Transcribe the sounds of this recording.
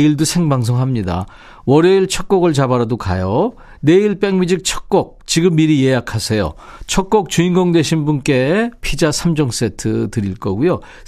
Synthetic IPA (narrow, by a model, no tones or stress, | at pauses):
iɭdusʰe̞ŋbaŋs̬ʰoŋɦamɲida̰ | wʌɾjʌiɭt͡ɕʰʌk̚k͈oɡɯɭt͡ɕabaɾadoka̰jo | ne̞iɭp͈eŋmid͡ʑik̚t͡ɕʰʌ̥k̚k͈ok̚t͡ɕiɡɯmːiɾijejakʰasʰe̞jo̰ | t͡ɕʰʌk̚k͈ok̚t͡ɕuinɡʌŋde̞ɕʰinbunk͈e̞pʰid͡ʑasʰamd͡ʑʌŋs͈etʰɯtɯɾiɭk͈ʌɡujo